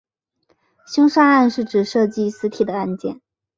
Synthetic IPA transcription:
ɕjʊ˥ŋʂa˥a˥˧nʂɻ̩˥˩ʈ͡ʂɻ̩˨˩ʂɤ˥˧t͡ɕi˥˩sɹ̩˧˥t̪ʰi˨˩d̪ə˦a˥˧nt͡ɕjɛ̰˥˩n

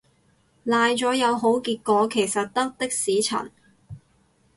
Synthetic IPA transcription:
laː˨˧jt͡ʃɔː˨˥jɐ˨˧wɦo˨˥wkiː˧t̚kɔː˨˧kʰe˨˩jsɐ˨t̚t̪ɐ˥k̚t̪ɪ˥k̚siː˨˥t͡sʰɐ̰˨˩n

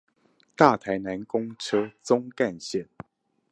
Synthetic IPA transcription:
t̪a˥˩t̪ʰa˧˥ɪna˧˥nkʊ˥ŋʈ͡ʂʰɤ˥t͡sʊ˥ŋka˥˧nɕjɛ˥˨n

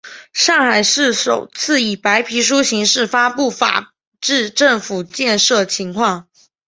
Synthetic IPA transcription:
ʂɑ˥˩ŋxa˨˩ɪʂɻ̩˥˩ʂo˨˩ʊt͡sʰɹ̩˥˩i˨˩pa˧˥ɪpʰi˧˥ʂ̬u˥ɕi˧˥ŋʂɻ̩˥˩fa˥pu˥˩fa̰˨˩ | ʈ͡ʂɻ̩˥˧ʈ͡ʂə˥˩ŋfu˨˩t͡ɕjɛ˥˧nʂɤ˥˩t͡ɕʰi˧˥ŋkʰwɑ˥˩ŋ

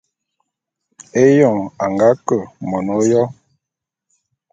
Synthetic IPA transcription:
e˦jɔ˦˨a˨ŋɡa˨˦kə˦˨mɔ˨no˦jɔ˦

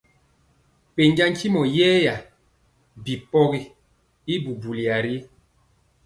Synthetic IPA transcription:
pe˨ɲ˦d͡ʒa˦ŋ˦t͡ʃi˦mɔ˨jɛː˦ja˨ | bi˨pɔ˦ɣi˦ | i˦bu˨bu˨li˨a˨ɾi˦

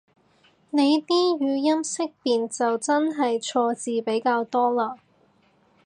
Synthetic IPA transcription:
ne˨˧jt̪iː˥jyː˨˧jɐ˥msɪ˥k̚piː˨nt͡sɐ˨wt͡sɐ˥nɦɐ˨jt͡ʃʰɔː˧t͡siː˨pe˨˥jkaː˧wt̪ɔː˥laː˧

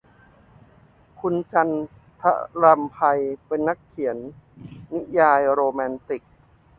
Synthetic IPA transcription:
kʰu˧nt͡ɕa˧n | t̪ʰa̰˦˥ɾa˧mpʰa˧jpe˧nːa˦˥kʰːi˩˦ənː | i˦˥jaː˧jɾoː˧mɛː˧nt̪i˨˩k̚

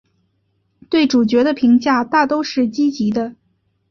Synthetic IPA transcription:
t̪we˥˩ɪʈ͡ʂu˨˩t͡ɕɥɛ˧˥d̪ə˧pʰi˧˥ŋt͡ɕja˥˧t̪a˥˩t̪o˥ʊʂɻ̩˥˩t͡ɕi˥t͡ɕi˧˥d̪ə˧

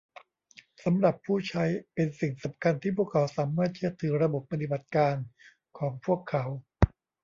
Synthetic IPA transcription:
sa˩˦mɾa˨˩pʰːuː˥˩t͡ɕʰa˦˥jpe˧nsi˨˩ŋsa˩˦mkʰa˧nt̪ʰiː˥˩pʰu˥˩əkʰːa˩˦wsaː˩˦mːaː˥˩t̪̚t͡ɕʰɯ˥˩ət̪ʰːɯː˩˦ɾa˧bo˨˩pːa˧t̪i˨˩ba˨˩t̪̚kaː˧n | kʰɔː˩˦ŋpʰu˥˩əkʰːa˩˦w

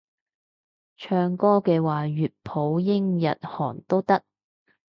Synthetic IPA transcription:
t͡ʃʰœː˧ŋkɔː˥kɛː˧waː˨˩ɥyː˨t̚pʰo˨˥wjɪ˥ŋjɐ̰˨t̚hɔː˨˩nt̪o˥wt̪ɐ˥k̚

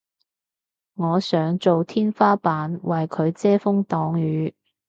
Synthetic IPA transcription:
ŋɔː˨˧sœː˨˥ŋt͡so˨wt̪ʰiː˥nfaː˥paː˨˥nwɐ˨jkʰɵ˨˧ɥt͡sɛː˥fʊ˥ŋt̪ɔː˨˥ŋjyː˨˧˥

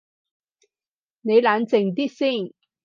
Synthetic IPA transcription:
ne˨˧jlaː˨˧˥nt͡sɪ˨˩ŋt̪̬iː˥t̚siː˥˩n

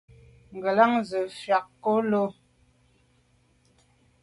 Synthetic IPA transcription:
ŋ̩˨ɡə˨la˦ŋzə˨fɥa˨kːo˦lo˦

